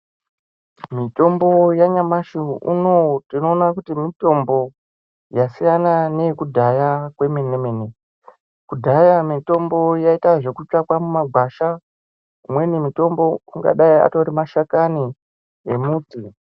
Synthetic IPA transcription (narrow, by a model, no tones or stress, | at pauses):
mito̞mbo̞jaɲamaʃiṵno̞tino̞ːnakutimito̞mbo̞ | jasijanane̞kudʱajakwe̞menemene | kudʱajamito̞mbo̞jaitaʐe̞kut͡ʃakwamumaɡʱwaʃa | umwe̞nimito̞mbo̞uŋɡa̰ɗaia̰to̞ɾimaʃakani | ḛmuːti